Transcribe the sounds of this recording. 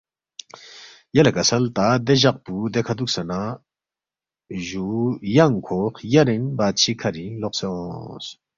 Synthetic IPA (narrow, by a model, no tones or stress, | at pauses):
jɐlɐkɐsɐlt̪aːd̪eʑɐq̚pud̪ekʰad̪uk̚sɐna | ʒujɐŋkʰoːχjɐɾenbaːt͡ʃʰikʰɐɾiloqseõs